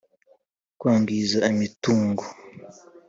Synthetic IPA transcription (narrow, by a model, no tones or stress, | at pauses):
kwaːŋɡizaimituːŋɡo